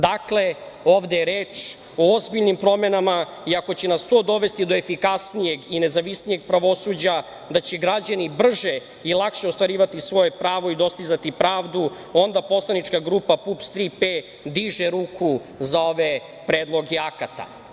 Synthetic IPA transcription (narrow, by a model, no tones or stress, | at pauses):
d̪akle̞o̞ːʋd̪ejeɾeːt͡ʂ | oozbiʎnimpɾo̞menama | iako̞t͡ɕenast̪o̞d̪o̞ʋe̞st̪id̪oefikasnije̞ɡine̞zaʋisnije̞ɡ̚pɾaʋo̞sud͡ʑa | d̪at͡ɕeɡɾad͡ʑanibr̩ʒe | ilˠakʃeost̪ʋaɾiːʋat̪isʋo̞je̞pɾaːʋo̞id̪o̞st̪izat̪ipɾaːʋd̪u | o̞nd̪apo̞slˠanit͡ʂkaɡɾupapupst̪ɾipe | d̪iʒeɾuːkʰu | zao̞ʋe | pɾed̪lˠo̞ɡɛakat̪a̰